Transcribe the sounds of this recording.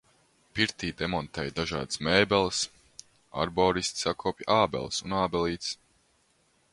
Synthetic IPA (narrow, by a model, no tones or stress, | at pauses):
piɾt̪iːd̪ɛmɔnt̪ɛːjd̪aʒɑ̰ːd̪ɨ̥smɛːbɛlˠs | a̰ɾbɔːɾist̪ʲsakʰɔːpʲjʔaːbɛ̰lˠsunaːbɛlˠiːt̪s